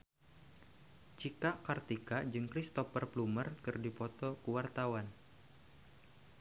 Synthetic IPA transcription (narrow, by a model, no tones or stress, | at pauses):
t͡ʃikaʔkart̪ikad͡ʒɨŋkɾist̪ɔpərplumərkɨrdipɔt̪ɔkuwart̪awan